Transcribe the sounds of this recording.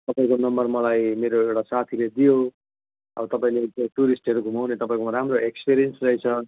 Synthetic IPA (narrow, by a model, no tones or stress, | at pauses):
t̪ʌpaĩkonʌmbʌrmʌlajmeɾoewʈasat̪ʰiled̪ijo | ʌ̰bʌt̪ʌpaĩlet̪eʈuɾisʈɦʌɾuɡʱumawnet̪ʌpaĩkoɾamroekspeɾijʌnsrʌit͡sʰʌ